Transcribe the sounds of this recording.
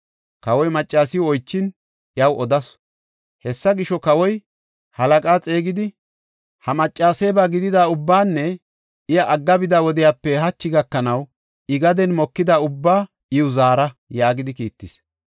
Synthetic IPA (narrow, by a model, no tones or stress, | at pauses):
kɐwɔjmɐt͡ʃʼːaːsɪjɔɔjt͡ʃːɪn | ɪɐwʔɔd̪ɐs | hɛsːɐɡɪʃɔkɐwɔj | hɐlɐkʼaːt͡sʼe̞ːɡɪd̪ɪ | hɐmɐt͡ʃʼːaːseːbaːɡɪd̪ɪd̪aːʊbːaːnːɛ | ʔɪjɐʔɐɡːɐbɪd̪aːwɔd̪ɪjaːpːɛɦɐt͡ʃːɪɡɐkːɐnɐw | ɪɡɐd̪ɛnmɔkːɪd̪aʊbːaː | ɪʊzaːɾɐjaːɡɪd̪ɪkiːt̪ːɪs